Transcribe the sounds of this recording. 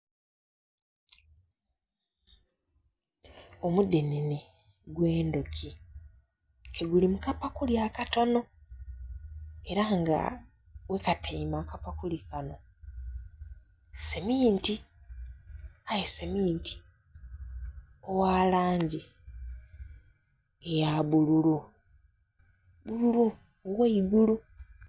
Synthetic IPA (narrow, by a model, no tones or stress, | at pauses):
omudenine | ɡwe̞ːnduci | kʰeɡulimukapakuljakato̞no̞ | e̞ɾaŋɡa̰ | we̞katʰeimakapakulikano̞ | semiːnti | ajesemiːntʰi̥ | owaːlaːɲɟi | ejaβululu | βululu | owaiɡulu